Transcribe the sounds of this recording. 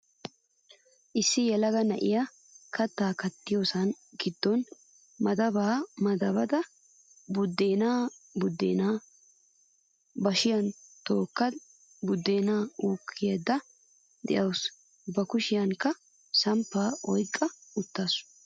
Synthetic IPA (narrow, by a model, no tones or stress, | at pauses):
ʔɪsːɪjɛlɐɡɐnɐʔɪja | kɐt̪ːaːkɐt̪ːɪjoːsɐn | ɡɪd̪ːɔn | mɐd̪ɐbaːmɐd̪ɐbɐd̪ɐ | bʊd̪ːeːnaːbʊd̪ːḛːnaː | bɐʃɪjɐnt̪o̞ːkːɐd̪ | bʊd̪ːe̞ːnaːuːkʰːɪjed̪ːɐ | d̪ɛ̰ʔɐws | bɐkʊʃɪjɐŋkːɐ | sɐmpːaːʔɔjkʼːɐʊt̪ːaːsʊ̥